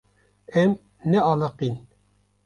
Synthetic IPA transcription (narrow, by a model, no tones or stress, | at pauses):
ɛm | nɛɑləqin